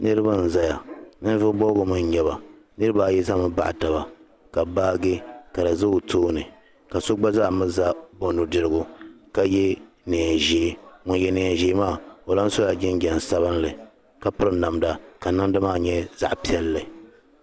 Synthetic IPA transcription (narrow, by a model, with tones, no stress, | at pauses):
nɨ˦ɾɨ˦ba˦n̩˨za˦ja˨nɨ˦n˦vʊ˦bɔ˦ɡʊ˨mɨ˦ɲ˨ɲɛ˦βa˨ | nɨ˦ɾɨ˦ba˦˨jɛ˦za˦mɨ˦ba̰˦˨ʔta˨ba˨ | ka˨baː˦ɡɨ˦ka˨dɨ˨zɨ˦˨tʰoː˦nɨ˨ | ka˨so˦ɡ͡ba˦za˦ʔmɨ˦za˦bo˨nu˨dɨ˨ɾɨ˦ɡʊ˦ | ka˨jɛ˦ | ne˨a˨ʒeː˨˦ŋʊ˨njɛ˦nɛ˨ɛ˨ʒe˦maː˦˨o˨la˦n˦so˦a˨d͡ʒɪ˦ŋ˦ɡʲɛ˨n˨sa˦βɨ˦nlɨ˨ | ka˨pʊ˦ɾɨ˦na˨mda˨ka˨nɨ˦ŋ˦dɨ˦maː˦ɲɛ˦za̰˦ʔpi˦ɛ˦lːɨ˨